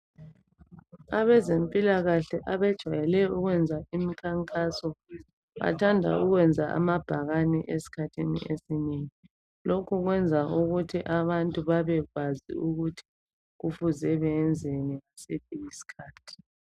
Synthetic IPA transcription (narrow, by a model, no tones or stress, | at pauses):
aβɛzempʼilaɣaɬɛʔaβɛd̥ʒ̥ʱajɛlɛuɣwɛnd͡zʱaimikʰaŋkʼasɔ | βa̰tʰandʱa̰uɣwɛnd͡zʱaʔa̰mab̥ʱaɣaniʔesi̥kʰatʰinḭʔesineŋi | lokʰuɣwɛnd͡zʱauɣutʰiʔaβantʼuβaβɛɣazḭuɣutʰi̥ | ɣufuzɛβɛːnd͡zʱeniɣasitʰijisi̥kʰaːtʰi̥